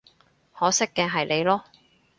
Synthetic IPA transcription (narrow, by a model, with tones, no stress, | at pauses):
hɔː˨˥sɪ˥kːɛː˧ɦɐ˨jle˨˧jlɔː˥